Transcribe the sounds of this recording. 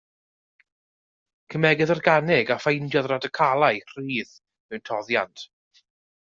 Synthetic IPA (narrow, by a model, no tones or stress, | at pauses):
kʰəmɛɡɨðərɡanɪɡafejndjɔðradəkʰalˠajr̥iːð | mɛwntʰɔðja̰ntʰ